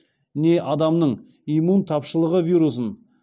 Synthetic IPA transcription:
ne̞ʔɑd̪ɑmnəɴ | imunt̪ʰɑpʃəlˠəʁəvijɾus̬ən

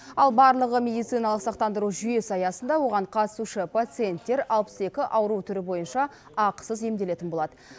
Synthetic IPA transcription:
ɑlˠbɑɾlˠəʁəmʲe̞d̪ijt̪sijnɑlˠəqsɑq̚t̪ɑnd̪əɾuʒʏje̞sɑjɑsənd̪ɑwo̞ʁɑɴqʰɑt̪ə̥suʃɪpat̪sɨje̞nt̪ːe̞ɾɑlˠpə̥se̞kʲɪʔɑwəɾut̪ʰʏɾɪbo̞jənʃɑ | ɑqə̥səze̞md̪e̞le̞t̪ɪnbo̞lˠɑd̪ə

